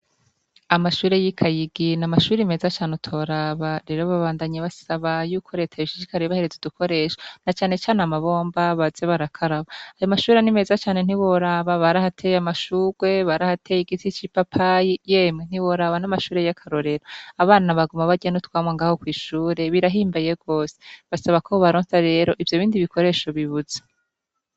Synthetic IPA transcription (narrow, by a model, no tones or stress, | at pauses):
amaʃuːɾe̞jikʰajiɡinamaʃuːɾime̞ːzat͡ʃaːnutʰo̞ɾaβaɾe̞ɾo̞βaβaːndaɲeβasaβajuːkʰo̞ɾe̞ːtʰaβiʃi̥ʃikaɾeβahe̞ɾe̞zeudukʰo̞ɾe̞ːʃḁnat͡ʃaːne̞t͡ʃaːnamaβo̞ːmbaβaz̥eβaɾakʰaɾaβaajomaʃuːɾanime̞ːzat͡ʃaːne̞n̥iβoɾaβaβaɾahatʰejamaʃuːɾwe̞βaɾahatʰe̞jiɡitit͡ʃipapʰajijeːmŋen̥iwo̞ɾaβanamaʃuːɾe̞jakʰaɾo̞ɾe̞ɾoaβaːnaβaɡumaβaɟenutwaːmŋaŋɡaho̞kwiːʃuːɾe̞βiɾaɦiːmbajeɡo̞ːse̥βasaβakʰoβaɾoːnsaɾe̞ːɾo̞ʔivjo̞βiːndiβikʰo̞ɾe̞ːʃo̞βiβuze̥